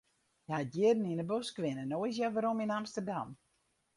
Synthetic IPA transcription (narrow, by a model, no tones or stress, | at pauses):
jəhatjɪədn̩inəbøskʋɪnənojs̬jaʋaɾominamstərdam